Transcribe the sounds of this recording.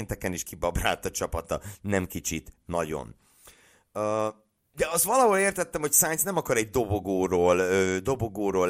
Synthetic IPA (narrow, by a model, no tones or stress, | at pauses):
nt̪ɛkɛniʃkibɒbra̰ːlt̪ɒt͡ʃɒpɒt̪ɒnɛmkit͡ʃit̪nɒɟo̰n | øː | d̪ɛɒst̪ʋɒlɒɦoleːrt̪ɛt̪ːɛmho̞csaːɲt̪snɛmɒkɒɾɛɟd̪o̞boɡoːɾoːløːd̪o̞boɡoːɾoːl